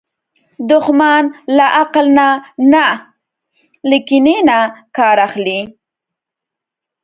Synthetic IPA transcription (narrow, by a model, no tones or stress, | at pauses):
d̪ʊxmɑnlaʔaqlnana | likinenakɑɾaxli